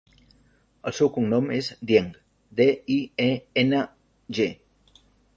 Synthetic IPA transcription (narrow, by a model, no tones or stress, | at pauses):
əlsewkuŋnomezd̪jeŋɡ | ðeieen | ʒe